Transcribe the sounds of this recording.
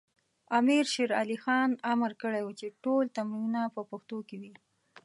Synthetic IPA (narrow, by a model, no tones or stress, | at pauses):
amiɾʃeɾalixɑnaməɾkəɽajwut͡ʃeʈolt̪amiunapəpaxt̪okewi